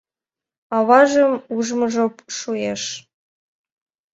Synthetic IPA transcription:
ɑβɑʒəmuʒmɤ̆ʒopʃueʃ

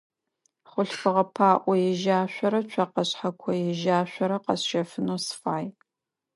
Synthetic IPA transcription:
χʷʊɬfɨʁɐpʰaːʔʷɔjɛʒaːɕʷɔɾɐt͡ʃʷʰɐqɐɕħakʷʰɔjɛʒaːɕʷɔɾɐqɐsʃɐfɨnosfaːj

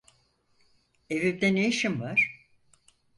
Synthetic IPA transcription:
evib̚d̪ɛnejiʃimvaɾ̥

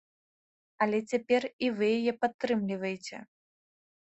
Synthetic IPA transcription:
ɐlʲɛt͡sʲapʲɛrivɨjajɛpat̪ːɾɨmlʲivɐjet͡sʲɛ̰

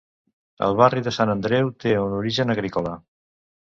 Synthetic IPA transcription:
ə̰lˠβariðəsanənd̪ɾɛwt̪eunuɾiʒənəɣɾikola

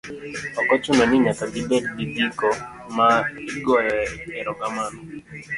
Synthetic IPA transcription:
ɔkɔt͡ʃʊnɔnɪɲakaɡibɛddibikɔ | maiɡɔjɛɛɾɔkamanɔ

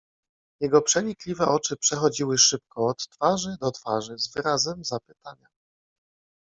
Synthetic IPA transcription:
jɛɡɔpʂɛɲiklʲivɛʔɔt͡ʂɘpʂɛxɔd͡ʑiwɘʂɘp̚kɔːt̪ːfaʐɘd̪ɔt̪faʐɘzvɘɾazɛmzapɘ̥t̪aɲa

